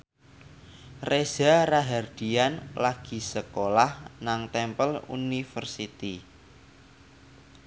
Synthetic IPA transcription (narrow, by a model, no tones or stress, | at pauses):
rez̥aɾaɦard̪̥i̤anlaɡ̥i̤səkolahnaŋt̪ɛmpəlṵnifərsit̪i